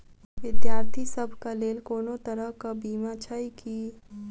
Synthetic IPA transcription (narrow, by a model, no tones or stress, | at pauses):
ʋɪd̪jaːɾt̪ʰisəbʱkaleːlkoːnot̪əɾəɦkabiːmat͡ʃʰaiki